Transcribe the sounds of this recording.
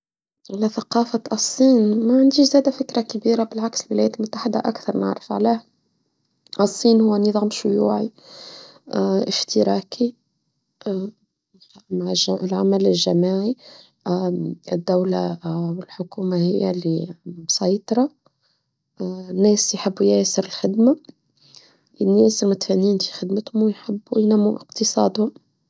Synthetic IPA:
ʔɪlæθaqɑːfaʔɑsˤːiːnmæʕand̪iːʃzæːd̪æfɪkɾakabiːɾabɪlʕaksɪlwɪlæjæːt̪lmʊt̪ːaħɪd̪a̰ʔakθɑɾˤnɪ̰ʕɾˤɪfʕaleːh | ʔɑsˤːiːnhʊwːænəðˤɑːmʃʊjuːʕi | ʔɪft̪ɪɾɑːkʰi | mʕlʕamælɪlʒamaːʕi | ɪd̪ːæwlawɪlħʊkuːmahɪjːalibsɑjt̪ˤɑɾˤɑ | nːɛːsjħɪbːjæsəɾɪlxɪd̪ma | ʔɪnːæsɪlmʊt̪fænːiːnfi̥xɪd̪mət̪hmwjħɪbːujnæmːuʔɪqt̪ɨsˤɑ̰ːd̪hʊm

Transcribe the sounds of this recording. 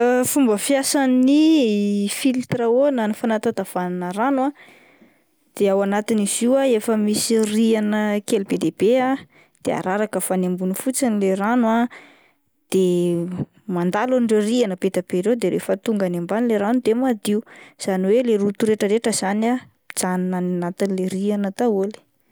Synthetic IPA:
əfumbəfjasani | filt̪ɾaonanifanat̪at̪av̥ananəɾanwa | d̪̥eawanat̪iniziwaefəmisirianəkelbed̪eb̥ea | d̪̥ea̰ɾaɾakəfanembunifut͡sinileranwa | d̪̥e | mand̪aluɳɖ͡ʐerianəbed̪abeɾewd̪eɾḛfət̪uŋɡanembanileɾanud̪emad̪iuz̥aniweleɾut̪uɾeʈ͡ʂəɾeʈ͡ʂəz̥ana | d͡zaninananat̪inleɾianət̪auli̥

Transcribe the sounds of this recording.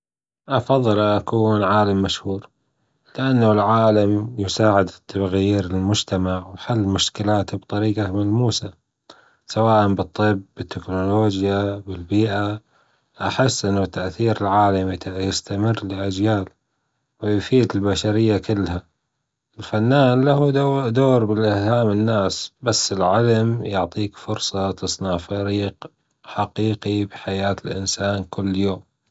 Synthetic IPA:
ʔɑfɑðˤːɨlʔakuːnʕaːlamːaʃhuːɾ | lɪʔanːalʕaːlamjʊsaːʕɪd̪t̪ʰːaɣjiːɾɪlmʊd͡ʒt̪amaʕwħalːmʊʃkɪlaːt̪bt̪ˤɑɾiːqamalmuːsa | sawaːʔanbɨt̪ˤːɨbːɪt̪ːɪknoloːd͡ʒjabɪlbiːʔa | ʔaħɪsːʔɪnːat̪ːaʔθiːɾɪlʕaːlamjjɪst̪amɪrːlɪʔad͡ʒjaːl | wɪjʊfiːd̪ɪlbaʃaɾɪjːakɪlːha | ɪlfanːaːnlahud̪oːɾbɪlʔɪhhaːmɪnːaːsbasːɪlʕɪlamjʊʕt̪ˤiːkfʊɾsˤɑt̪ɨsˤnɑʕfaɾiːq | ħaqiːqibħajaːt̪ɪlʔɪnsaːnkɪlːjoːm

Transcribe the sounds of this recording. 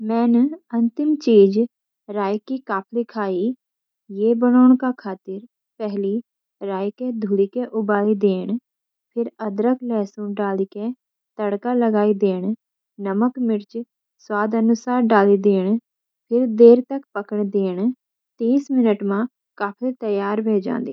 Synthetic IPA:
mɛ̃ːnɐ̃nt̪ɪmt͡ʃiːd͡ʒ | ɾaːjkikaːpʰlikʰaːi | jeːbəñoːɳ̃kakʰaːt̪ɪɾ | pɛɦli | ɾaːjked̪ʱuːlikeʔʊbaːlid̪eːɽ̃ | pʰɪɾəd̪ɾəklɛːsũɖaːlike | t̪əɽkaːləɡaːiːd̪eːɳ | nəməkmɪɾt͡ʃ | swaːd̪ənʊsaːɾɖaːliːd̪eːɳ | pʰɪɾd̪eːɾt̪əkpəkəɳd̪eːɳ | t̪iːsmɪnəʈmãː | kaːpʰlit̪əjaːɾbʱeːd͡ʒã̰ːnd̪eː

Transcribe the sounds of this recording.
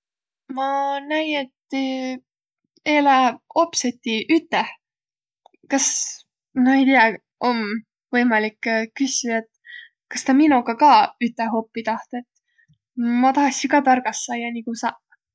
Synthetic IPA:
mɑnæje̞t̪ː | eːlæopset̪ʲːiʔyt̪ːˑeh | kɑs | noe̞jt̪iɑ | ʔo̞m | vɤ̞jmɑlikːkːysʲiet̪ | kɑst̪ɑminuɡ̥ɑkɑːyt̪ːeɦo̞pːit̪ɑht̪et̪ː | mɑt̪ɑhɑksikɑt̪ɑrɡ̥ɑsːɑjɑnikusɑ

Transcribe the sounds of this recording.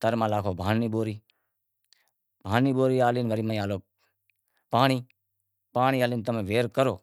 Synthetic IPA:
t̪əɾmãːlaːkʰoːbʱaːniːboːɾiː | bʱaːniːboːɾiːaːliːnʋəɾiːməĩaːloː | paːɳ̃iː | paːɳ̃iːaːliːnt̪̬əmẽːʋeːɾkəɾoː

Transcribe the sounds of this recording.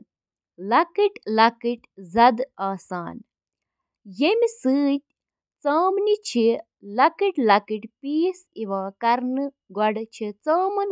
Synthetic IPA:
lɐkɨʈlɐkɨʈzɐd̪aːsaːn | jemʲisɨːt̪̚ʲ | t͡sɐːmnit͡ʃʰi | lɐkiʈʲlɐkɨʈpiːsiʋaːkɐɾnɨ | ɡɔɽt͡ʃʰit͡səːmɐn

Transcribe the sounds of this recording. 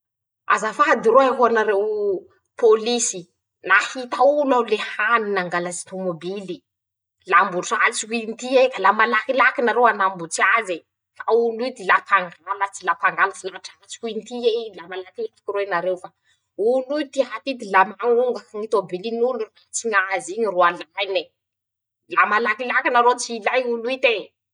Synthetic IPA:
a̰zafad̪iɾoaɦuanaɾew | polisi | nahit̪aulalehaninaŋɡalazi̥t̪omobili | lambuʈ͡ʂalt͡siint̪iekalamalakilakinaɾewanambut͡siaze | faulut̪ilapʰaŋɡalat͡silapaŋɡalafilaʈ͡ʂaat͡si̥kuint̪ielamalakiat̪u̥kiɾoenaɾewfa | ulut̪iɦat̪id̪ilamaŋuŋɡakaŋit̪obilinulurat͡siɲaziɲiroalajne | lamalakilakinaɾot͡siːlajunuit̪e

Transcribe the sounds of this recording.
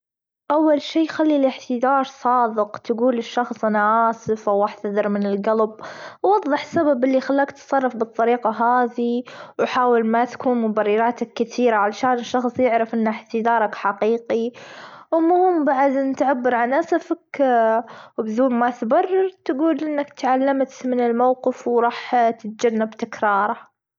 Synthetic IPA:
ʔawːalʃiːxalːilɪħt̪ɪd̪ɑːɾˤsˤɑːd̪ɪqt̪aɡuːlɪʃːɑxsˤʔanaʔaːsɪfʔawʔaħt̪aðɨɾmɪnɪlɡalbwːɑðˤːɨħsababʔɪlːixalːaːkt̪sˤɑrˤːɑfbɨt̪ˤːɑɾiːqɑɦaːðiwħaːwɪlmat̪kuːnmʊbɑrːɑɾɑːt̪akːɪθiːɾaʕalaʃaːnɪʃːɑxsˤjɪʕɾɪfʔɪnːɪħt̪ɪd̪ɑːɾˤɑkħaqiːqiwmʊhʊmbaʕad̪ɪnt̪ʕabːɪɾʕanʔasafak | wbðuːmmat̪bɑrˤːɑɾt̪aɡuːlʔɪnːakt̪ʕalːamt̪mɪnɪlmawqɪfwɾˤɑːħt̪ɪt̪̚d͡ʒanːabt̪ɪkɾˤɑːɾˤɑ

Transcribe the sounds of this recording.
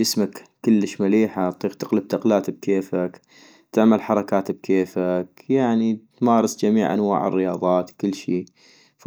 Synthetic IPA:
ɪsmakːɪlːəʃmaliːħat̪t̪ˤːiːɣt̪ɪqlɪb̚t̪aqlaːt̪b̚kʰeːfak | t̪ɪʕmalħɑɾˤɑkaːt̪b̚kʰeːfakjaʕnit̪mɑːɾˤɑsd͡ʒamiːʕʔa̰nwa̰ːʕɪ̰rːɪjɑːðˤɑːt̪kɪlːʃiː | f

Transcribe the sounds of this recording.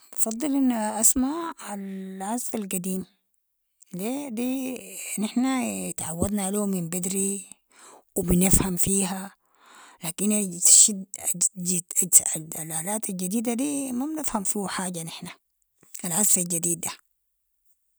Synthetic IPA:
fɑd̪ˤːɨlʔinːʔasmaalʕazfalɡad̪iːm | led̪inɪħnajɪt̪ʕawːad̪nalomimbɪd̪ɾi | wibinɪfhamfiːɦa | laːkinat̪ʃid̪iad̪alaːlaːt̪ald͡ʒad̪iːd̪ad̪iːmabnɪfhamfiħaːɟanɪħna | alʕazfald͡ʒad̪iːd̪a

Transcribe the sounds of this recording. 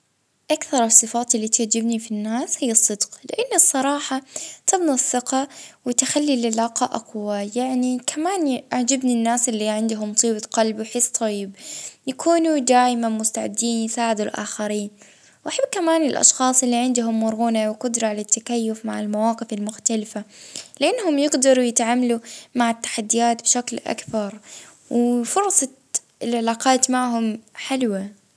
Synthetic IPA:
ʔakθɑɾˤsˤːɨfɑːt̪ˤʔɪlːit̪aʕd͡ʒːɪbnifinːaːshijːɨsˤːɨd̪qlɪ̰ʔanːɨsˤːɑɾˤɑːħɑt̪ɪbnɑsˤːɪqɑwɪt̪xalːilɪlaːqɑʔaqwajaʕnikʰamaːnʔaʕd͡ʒabninːaːsʔɪlːiʕɪnd̪ʊɦʊmt̪ˤiːbaqɑlbwħɪst̪ˤʰɑjjːɪbjakuːnud̪aːʔmamʊst̪aʕɪ̰d̪ːiːnjɪsaːʕɪd̪ulʔa̰ːxaɾiːn | wʔaħabːkamaːnɪlʔɑ̰ʃxɑːsˤʔɪlːiʕɪnd̪ʊɦʊmːʊɾˤɣunawqʊd̪ɾˤɑʕalat̪ːakajːʊfmaʕɪlmawɑːqɨfɪlmʊxt̪alɪfalɪʔanːhʊmjɪɡd̪ɑɾˤujɪt̪ʕaːmalumaʕɪt̪ːḁħad̪ːɪjaːt̪bɪʃaklʔa̰kbɑɾˤ | wɪfʊɾˤsˤɑ | ɪlʕɪlaːqɑːt̪maʕɦʊmħɪlwa

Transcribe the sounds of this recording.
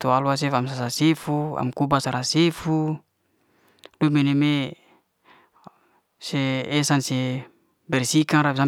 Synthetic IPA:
t̪ualuas̬efamsasasefua̰mkubasaɾasefu | duemeneme | seːsanse | bɛrsikaŋɾabs̬a

